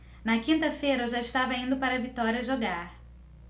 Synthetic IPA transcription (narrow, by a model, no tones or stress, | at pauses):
nɐkĩnt̪ɐfejɾɐewʒaɪʃt̪avɐĩnd̪ʊpaɾɐvit̪ɔɾiɐʒoɡaɾ